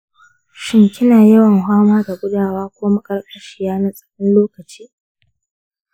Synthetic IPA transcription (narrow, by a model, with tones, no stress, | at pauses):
ʃɪ˦ŋkʲɪ˦naː˨jɐ˦wɐ˨ŋɦʷaː˦maː˦da˨ɡʷʊ˦daː˨waː˦kʷoː˦ma˦kʼɐ˦rkʼɐ˦ʃiː˦˨jaː˦na˦sʼɐ̥˨ɽɔ˦nloː˦kɐ˨t͡ʃiː˦